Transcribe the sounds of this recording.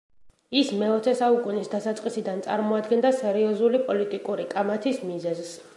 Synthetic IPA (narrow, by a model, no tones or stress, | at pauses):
ismɛɔt̪sʰɛsaukʼunisd̪asat̪sʼqʼisid̪ant̪sʼa̰ɾmɔad̪ɡɛnd̪asɛɾiɔzulipʼɔlit̪ʼikʼuɾikʼamat̪ʰismizɛzs